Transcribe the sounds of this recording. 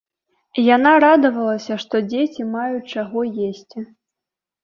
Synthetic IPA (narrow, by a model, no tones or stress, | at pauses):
janaɾad̪ɐvɐlˠɐsʲɐʂt̪ɔd͡zʲet͡sʲimajut͡ʂaɣɔjesʲt͡sʲi